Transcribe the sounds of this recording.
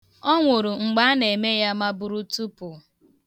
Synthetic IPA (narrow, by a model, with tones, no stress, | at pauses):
ɔ˦ŋʷʊ˨ɾu˨ŋ͡m̩˨ɡ͡ba˦ne˨me˦ja˦ma˦bʊ˦ɾu˦tu˦pʊ˨